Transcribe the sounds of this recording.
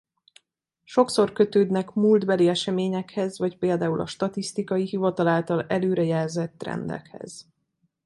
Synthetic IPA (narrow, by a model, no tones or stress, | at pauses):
ʃo̞kso̞rkø̞t̪øːd̪nɛkmuld̪bɛliɛʃɛmeːɲɛkhɛzʋɒcpeːld̪aːulɒ̰ʃt̪ɒt̪ist̪ikɒjiɦivɒt̪ɒlaːlt̪ɒlɛløːɾɛjɛlzɛt̪ːrɛ̰nd̪ɛ̰khɛ̰z̥